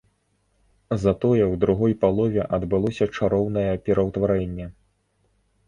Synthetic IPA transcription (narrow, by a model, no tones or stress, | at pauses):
zɐt̪ɔjɛwd̪ɾuɣɔjpalˠɔvʲɛʔɐd̪bɨlˠɔsʲɐt͡ʂaɾɔwn̪ɐjɛpʲɛɾɐwt̪vaɾɛnʲːɛ